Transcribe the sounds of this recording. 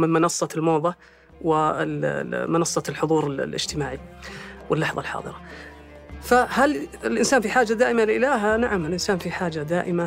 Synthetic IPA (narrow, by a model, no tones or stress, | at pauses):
mɪnmɪnɑsˤːɑlmoːðˤɑ | wɪ | mɪnɑsˤːɑlħʊðˤuːɾɪl̰lʔɪ̰d͡ʒ̥t̪ɪmaːʕiwɪlːɑħðˤɑlħɑ̰ːðˤɨɾɑ | fahalɪlʔɪnsaːnfiħaːd͡ʒːad̪aːʔɪmalʔɪlaːɦanaʕamɪlʔɪnsaːnfiħaːd͡ʒad̪aːʔɪma